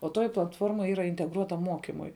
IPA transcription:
oː ˈtoːjɪ plˠɐtˈfoːrmɐ ˈiːrɐ ɪnʲtʲɛɡˈruɔtɐm ˈmoːkʲɪmʊɪ

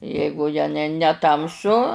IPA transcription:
ˈjɛɪɡʊ jɛ nʲɛ nʲɛˈtɐmsʊ

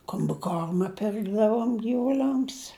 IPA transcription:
koːmʲbʲɪˈkoːrmɐ ˈpʲɪrɡdɐʋoːm ɡʲiːʋʊˈlʲɛms

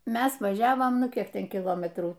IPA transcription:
ˈmʲɛs ʋɐˈʒʲæːʋoːm ˈnʊ ˈkʲiɛk ˈtʲɛn kʲɪˈlˠoːmʲɛtruː

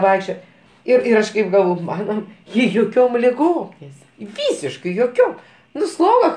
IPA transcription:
ˈʋɐɪkʃʲt͡ʃʲoːjɛ ˈɪr ɪr ˈɐʃ kɐɪp ɡɐlˠˈʋoːj ˈmɑːnoː ˈjɪ joːˈkʲoːm lʲɪˈɡoːm nʲɛˈsʲɪrɡɐ ˈʋʲiːsʲɪʃkɐɪ joːˈkʲoːm ˈnʊ ˈslˠoːɡɐ

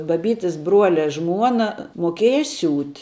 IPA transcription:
bɐˈbʲiːtʲɪs ˈbruɔlʲɛ ˈʒmuɔnɐ moːˈkʲiɛjɛ ˈsʲuːtʲ

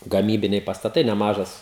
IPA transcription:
ɡɐˈmʲiːbʲɪnʲɛɪ pɐstɐˈtɐɪ nʲɛˈmɑːʒɐs

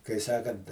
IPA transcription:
kɐɪ ˈsɑːkɐnt

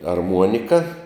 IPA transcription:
ɐrˈmuɔnʲɪkɐ

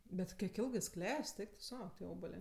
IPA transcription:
ˈbʲɛt kʲiɛk ˈɪlˠɡɜ jɪs ˈklʲɛsʲtʲ ˈɛɪk tʊ ˈsɐʊ tʲiɛ ˈoːbɐlʲeː

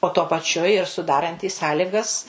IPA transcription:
oː tuɔ pɐˈt͡ʃʲʊ ɪr sʊˈdɑːrɐnʲtʲiːs ˈsɑːlʲɪɡɐs

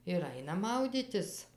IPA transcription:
ɪr ˈɐɪnɐ ˈmɐʊdʲiːtʲɪs

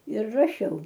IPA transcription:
ɪr rɐˈʃʲɛʊ

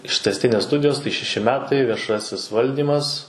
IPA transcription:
ɪʃʲtʲɛsʲˈtʲɪnʲeːs ˈstʊdʲɪjoːs tɐɪ ʃʲɛˈʃʲɪ ˈmʲæːtɐɪ ʋʲiɛˈʃɑːsʲɪs ˈʋɐlʲdʲiːmɐs

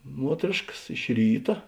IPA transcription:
ˈmuɔtʲrʲeːʃkɐs ɪʃ ˈrʲiːtɐ

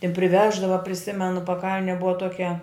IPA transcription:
ɪ pʲrʲɪˈʋʲæːʒdɐʋɐ pʲrʲɪˈsʲɪmʲɛnʊ pɐˈkɐlʲnʲɛ ˈbʊʋɐ toːˈkʲɛ

